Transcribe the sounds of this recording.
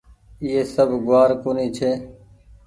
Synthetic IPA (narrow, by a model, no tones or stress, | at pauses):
iːeːsəbʱɡʊaːɾkoːniːt͡ʃʰeː